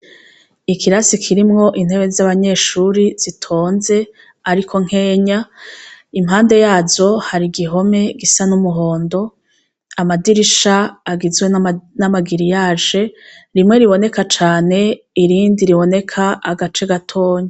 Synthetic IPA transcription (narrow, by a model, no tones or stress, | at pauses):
ikʰiɾasikʰiɾimŋo̞ʔin̥he̞βezaβaɲe̞ːʃuɾiz̥itʰo̞ːnze̞ | aɾikʰo̞ŋ̥he̞ːɲa | imɦaːnde̞jaːzo̞haɾiɡiɦo̞me̞ɡisanumuɦo̞ːndo̞ | amadiɾiʃaːɡizwenamaɡiɾijaːʒe̞ɾimŋe̞ɾiβo̞ne̞kat͡ʃaːne̞ | iɾiːndiɾiβo̞ne̞kʰaaɡat͡ʃe̞ɡatʰo̞ːɲe